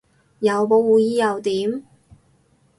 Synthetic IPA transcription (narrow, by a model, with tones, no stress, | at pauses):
jɐ˨˧wpo˨˧wwuː˨˧jiː˥jɐ˨˧wt̪iː˨˥m